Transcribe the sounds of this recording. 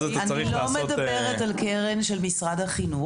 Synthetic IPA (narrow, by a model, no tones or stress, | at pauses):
aniilommedabeʁetalkeʁenʃelmisʁadhaχinu